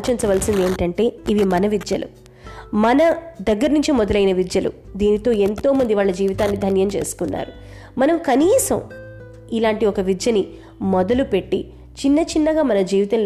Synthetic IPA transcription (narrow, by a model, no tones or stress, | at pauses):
t͡ʃint͡ʃɐʋɐlsind̪e̞ːɳʈɐɳʈe̞ːiʋimɐnɐʋid͡ʒ̪jɐlṵ | mɐnɐd̪ɐɡːɐɾnuɲt͡ʃimɔd̪ɐlɐjinɐʋid͡ʒ̪jɐlṵ | d̪iːnit̪o̞ːe̞nt̪o̞ːmɐnd̪iʋaːɭːɐd͡ʒiːʋit̪aːnːid̪ʱɐnjɐmt͡ʃeːsu̥kunːa̰ːɾu | mɐnɐmkɐniːsɐ̰m | ilaːɳʈiɔkɐʋid͡ʒjɐni | mɔd̪ɐlupe̞ʈːḭ | t͡ʃinːɐt͡ʃinːɐɡaːmɐnɐd͡ʒiːʋit̪ɐnl